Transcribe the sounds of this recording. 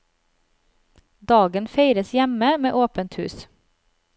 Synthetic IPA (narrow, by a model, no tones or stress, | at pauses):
d̪ɑːɡənfeɪɾəsjæməmḛːʔoːpənt̪hʉːs